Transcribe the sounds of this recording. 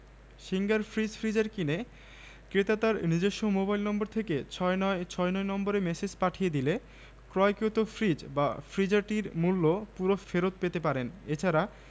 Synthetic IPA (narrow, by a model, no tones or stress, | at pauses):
ʃiŋɡaɾfɾid͡ʑfɾid͡ʑaɾkine | kɾet̪at̪aɾnid͡ʑeʃːomobajlnɔmboɾt̪ʰeket͡ɕʰɔnt͡ɕʰɔenɔenɔmboɾemesed͡ʑpaʈʰijed̪ile | kɾɔjkot̪ofʰɾid͡ʑba̰fɾid͡ʑaɾʈiɾmulːopuɾofeɾot̪̚pet̪epaɾenet͡ɕʰaɾa